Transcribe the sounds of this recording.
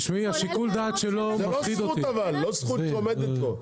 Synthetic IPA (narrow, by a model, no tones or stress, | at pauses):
ʃmiaʃikuld̪aːt̪ʃelomalosid̪otuavalːosuomed̪et̪lo